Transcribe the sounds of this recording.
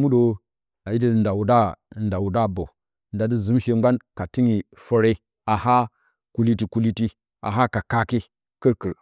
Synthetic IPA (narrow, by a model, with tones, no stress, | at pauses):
mu˦do˨ | a˨ji˦də˦˨nda˨wu˨da˦˨nda˨wu˨da˦˨bo˨ | nda˨di˦zu˨˦mʃe˨ŋɡʷa˦nka˨ti˦ŋi˨ | fə˦ɾe˦ | a˨ha˦ | ku˨li˦ti˨ku˨li˦ti˦ | a̰˨ɦa˦ka˨ka˦ki˦ | kə˦ɾkə˨ɾ